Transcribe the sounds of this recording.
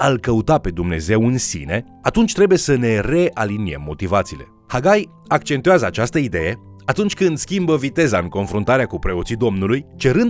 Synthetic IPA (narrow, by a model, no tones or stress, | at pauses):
alkəut̪ape̞d̪umne̞̰ze̞wɨnsḭne̞ | at̪unt͡ʃʲt̪ɾe̞buje̞səne̞re̞ʔalinie̞̰mːo̞t̪ivat̪siːle̞̰ | haɡaj | akt͡ʃe̞nt̪ujazəat͡ʃast̪əid̪e̞̰je̞ | at̪unt͡ʃʲkɨnd̪skʲimbəvit̪e̞zaɨŋko̞nfɾunt̪aɾeakupɾe̞o̞t̪sid̪o̞mnulujt͡ʃe̞ɾɨnd̪